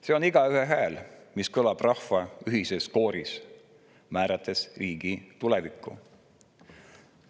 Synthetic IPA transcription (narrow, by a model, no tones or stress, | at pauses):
se̞oniɡ̥ɑyɦeɦæːlmiskɤlɑb̥rɑhvɑyɦise̞skoːɾis | mæːɾɑt̪ːˑe̞sriːɡ̥it̪ulevikˑːṵ